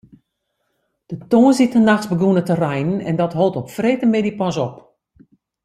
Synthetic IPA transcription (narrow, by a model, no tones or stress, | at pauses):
d̥ətoːnzitənaxsbəɡunətərɛjnənɛ̰ndɔtɦolˠtɔpfreːtəmedipɔsɔp